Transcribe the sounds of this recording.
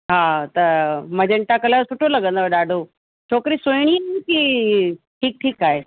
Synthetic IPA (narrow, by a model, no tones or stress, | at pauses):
ɦaːt̪ɐmɐ̃d͡ʑəɳʈakɐlasʊʈʰolɐɡə̃nd̪oɗaːɖʱo | t͡ɕʰoːkɾisojɽ̃iaɦki | ʈʰiːk̚ʈʰiːkaːɦeː